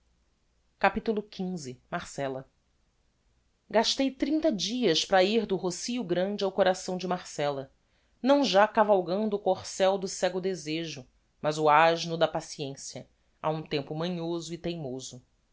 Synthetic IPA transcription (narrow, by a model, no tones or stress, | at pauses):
kapit̪ulʊkʲʰĩzɪmaɾsɛlɐ | ɡaʃt̪ejt̪ɾĩnt̪ɐd͡ʒiɐspɾɐiɾd̪ʊɦosiʊɡɾɐ̃d͡ʒɪawkoɾasɐ̃w̃d͡ʒɪmaɾsɛlɐ | nɐ̃w̃ʒakavawɡɐ̃nd̪ʊːkoχsɛwd̪ʊsɛɡʊd̪ezeʒʊ | mɐzʊaʒnʊd̪ɐpasiẽsiɐ | a̰ũt̪ẽmpʊmɐ̃ɲozʊɪt̪ejmozʊ